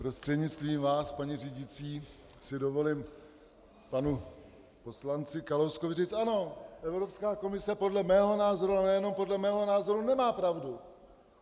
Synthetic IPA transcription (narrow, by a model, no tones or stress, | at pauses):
pɾo̞st̪r̥ɛdɲɪt͡st̪viːmvaːspaɲiriːɟɪt͡siː | sɪdo̞vo̞lɪm | panu | po̞slant͡sɪkalowskovɪriːt͡sano̞ʔɛvɾo̞pskaːko̞mɪsɛpo̞dlɛmɛːɦo̞naːzo̞ɾuanɛjɛno̞mpo̞dlɛmɛːɦo̞naːzo̞ɾunɛmaːpɾavdu